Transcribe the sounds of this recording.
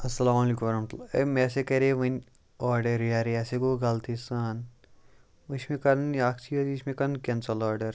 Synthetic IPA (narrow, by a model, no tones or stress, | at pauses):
ɐsːɐlaːmɐliːkumɐɾɐmɐt̪ulaɐ̰meːs̬ekɐɾeʋɐnʲ | aːɾɖɐɾjaːɾijɐseɡoːɡɐlt̪ʰisaːn | ʋɐʃmekɐnjaːkʰt͡ʃʰiɐziʃmekɐnkɐnsɐlaːɾɖɐɾ